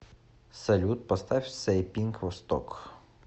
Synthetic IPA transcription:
sɐlʲut̪̚pɔst̪ɑwʲsɛjpʲinkʋɔst̪ɔ̰k

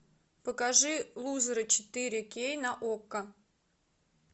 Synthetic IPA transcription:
pəkaʐɨlˠuzɾət͡ɕɪ̥t̪ɨɾʲɪkʲejnɐʔokːə

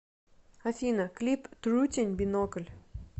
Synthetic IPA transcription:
ɐfʲinəklʲipt̪ɾutʲɪnʲbʲinokəlʲ

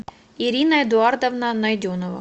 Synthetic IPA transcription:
iɾʲinɐɛd̪ʊard̪ɐvnanɐjd̪ʲonɔvɐ̰

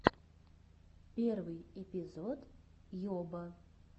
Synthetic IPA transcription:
pʲɛrvɨjɛpʲizɔt̪jɔbɐ

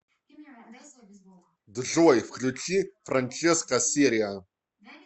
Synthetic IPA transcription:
dɨɮuwɐjfxɮut͡ʃʰʼiːfrant͡ʃʰʼeskɐsiːɾia

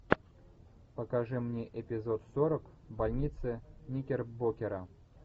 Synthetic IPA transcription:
pəkaʐɨmnʲeʔɪpʲɪzot̪soɾək | balʲnʲit̪sɨnʲikʲerbokʲɪɾɐ

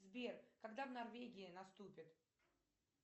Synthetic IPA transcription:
zbʲerkɐɡd̪avnɐrvʲeɡʲɪɪnɐst̪upʲɪt̪

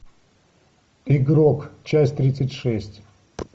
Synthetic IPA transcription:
iɡɾokt͡ɕasʲtʲt̪ɾʲit̪sɨtʲʂɛsʲtʲ

